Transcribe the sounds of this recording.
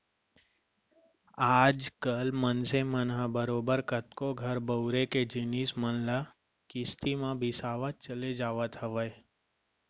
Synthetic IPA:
aːd͡ʒkəlmənsemənɦãbəɾoːbəɾkət̪koɡʱəɾbəwɾeked͡ʒɪniːsmənla | kɪst̪imãbʱɪsaːʋət̪̚t͡ʃəled͡ʒaːʋət̪ɦəʋəj

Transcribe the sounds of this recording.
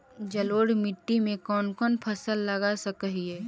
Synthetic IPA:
d͡ʒɐloːɽmɪʈːimẽkɔːnkɔːnpʰəsəlːɐɡasəkəɦiɦɛː

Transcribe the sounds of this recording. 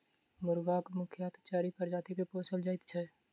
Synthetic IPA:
mʊɾɡaːkmʊkʰjaːt̪t͡ʃaːɾipəɾd͡ʒaːt̪ikepoːsəld͡ʒaːɪt̪t͡ʃʰɛː

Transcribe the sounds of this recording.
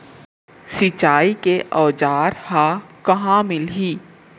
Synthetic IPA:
sɪt͡ʃaːikeʔɔːd͡ʒaːɾhãkɐɦãmɪlɦiː

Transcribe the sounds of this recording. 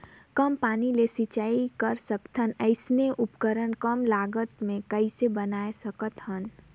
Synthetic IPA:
kəmpanilesit͡ʃaikəɾsəkt̪ʰənəɪsneʔupkəɾənkəmlaɡət̪mẽkəɪsebənaesəkət̪ɦən

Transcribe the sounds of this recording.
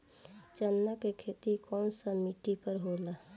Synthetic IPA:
t͡ʃənːakekʰeːt̪ikɔːnsamiʈipəɾɦolaː

